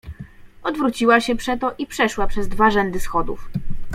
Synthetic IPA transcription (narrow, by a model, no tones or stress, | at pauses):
ɔd̪vɾut͡ɕiwaɕɛpʂɛt̪ɔʔipʂɛʂwapʂɛzd̪vaʐɛnd̪ɘsxɔd̪ṵf